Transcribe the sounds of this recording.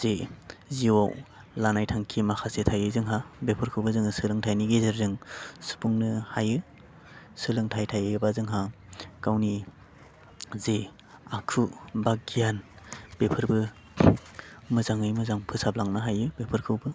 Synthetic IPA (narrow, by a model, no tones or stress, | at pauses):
z̥eziwa̰w | lanajtʰaŋkʰimakʰasetʰajɯzɯŋɦabepʰɯɾkʰɯwbɯzɯŋɯsɯlɯŋtʰajniɡezɯɾzɯŋsɯ̥pʰuŋnɯhajɯ | sɯlɯŋtʰajtʰajɯbazɯŋɦa | kawni | ze | akʰubaɡijan | bepʰɯɾbɯ | mɯzaŋɯjmɯzaŋpʰɯsablaŋnɯɦajɯbepʰɯɾkʰɯwbɯ